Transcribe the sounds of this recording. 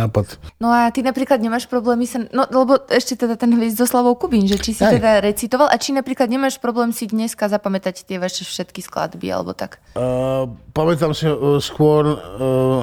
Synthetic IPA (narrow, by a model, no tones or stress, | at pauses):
aːpat̪nɔat̪inapɾiːklad̪ɲɛmaːʃpɾɔblɛːmisanɔʔlɛbɔɛʃcɛt̪ɛd̪at̪ɛnɦʋɛzzɔslaʋɔʊkubiɲʒɛt͡ʃisit̪ɛd̪aɾɛt͡sit̪ɔʋalʔat͡ʃinapɾiːklad̪ɲɛmaːʃpɾɔblɛːmsid̪ɲɛskazapamɛt̪act̪ɪɛʋaʃɛfʃɛt̪kiskla̰d̪bḭa̰lɛ̰bɔ̰t̪a̰k | pamɛt̪̬amsiskʊɔɾ